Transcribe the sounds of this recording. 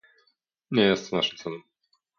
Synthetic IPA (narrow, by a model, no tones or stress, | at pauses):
ɲɛjɛst̪naʂɨmt̪sɛlɛm